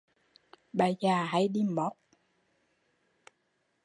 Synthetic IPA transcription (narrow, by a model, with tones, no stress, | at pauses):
ɓaː˨˩zaː˨˩ɦa˧˦jɗi˧mɓɔ˨˦˥k͡p̚